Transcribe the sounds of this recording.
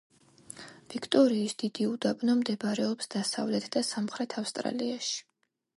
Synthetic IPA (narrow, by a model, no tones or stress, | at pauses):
v̥ikʰt̪ʼɔɾiːsd̪̥id̪iud̪abʼnɔmd̪ɛbaɾɛɔpsd̪̥asa̰vlɛt̪ʰd̪̥asamχɾɛt̪ʰafst̪ʼɾa̰liaʃi̥